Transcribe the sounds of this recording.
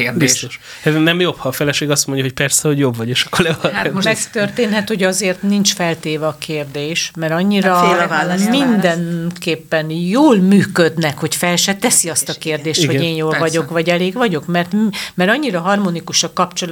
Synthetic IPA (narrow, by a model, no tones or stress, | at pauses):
bist̪oʃ | ɛnɛmjo̞phɒːfɛlɛʃeːɡɒst̪mo̞ɲɟɒɦoc̚pɛrsɛho̞ɟjo̞bvɒɟeːʃɒ̥kːoɾlɛɒhat̪moʃmɛkt̪ørt̪eːnhɛt̪hoɟɒzeːrt̪nint͡ʃfɛlt̪eːvɛɒkʰeːrd̪eːʃmɛɾɒɲːiɾɒelmind̪ɛnkeːpːɛnjoːlmyːkø̞d̪nɛkho̞cfɛlʃɛt̪ɛsiɒst̪ɒkeːrd̪eːʃt̪ɡho̞ɟeːnjoːlvɒɟo̞kvɒɟɛleːɡvɒɟo̞kmɛrt̪mɛɾɒɲːiɾɒɦɒrmonikuʃɒkɒpt͡ʃol